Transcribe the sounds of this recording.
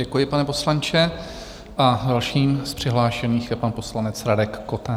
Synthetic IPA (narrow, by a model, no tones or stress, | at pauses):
ɛkujɪpanɛpo̞slant͡ʃɛ | ʔadalʃiːmspr̝̥ɪɦlaːʃɛniːxjɛpanposlanɛt͡sɾadɛkːot̪ɛ